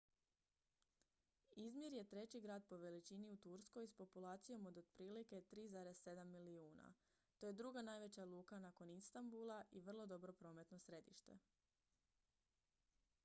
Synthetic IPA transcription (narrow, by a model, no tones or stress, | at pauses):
izmʲjeɾje̞t̪ɾe̞t͡ɕiɡɾaːd̪̚po̞ʋe̞lit͡ɕiniut̪uɾsko̞jspo̞pulaːt̪sijo̞mod̪od̪pɾiːlike̞t̪ɾiːzaːɾe̞zse̞d̪amːiliuːna̰ | t̪o̞je̞d̪ɾuɡanaːjʋe̞t͡ɕalˠuːkanaːko̞nist̪ambulˠaʔiʋr̩lˠo̞d̪o̞bɾo̞pɾo̞me̞t̪no̞sɾe̞d̪ḭʃt̪e̞̰